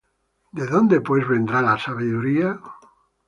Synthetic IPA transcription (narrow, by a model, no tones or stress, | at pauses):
d̪eðõ̞nd̪epwezβẽ̞nd̪ɾalasaβiðuɾia